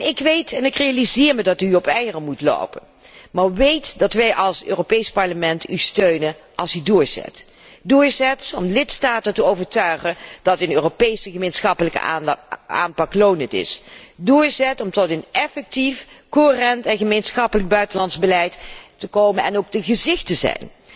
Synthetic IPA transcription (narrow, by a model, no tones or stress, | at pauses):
ɪkʋejtɛnɪkrejalizɪːɹmədɑtyɔpɛjərəmutlo̰wpən | maːɹʋejtdɑtʋɛjʔɑlˠsø̰ːropejspɑɹləmɛntystøɥnənʔɑlˠsydʊːɹz̥ɛ̰t | dʊːɹzɛtɔmlɪtstaːtəntəowvəɹtœɥχənd̥ɑtənøːropejsəχəmejnsχɑpələkə̰ | a̰ːnpɑklownətɪ̰sdʊːɹzɛtɔmtɔtənɛfɛk̚tifkoɦərɛntɛnχəmejnsχɑpələɡ̚bœɥtənlɑnzbəlɛjtːəkowmənɛ̰nowk̚dəχəzɪχtəzɛ̰jn